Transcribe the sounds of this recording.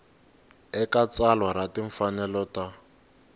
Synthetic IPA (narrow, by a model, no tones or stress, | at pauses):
ɛkat͡salwaɾatiɱfanɛlɔta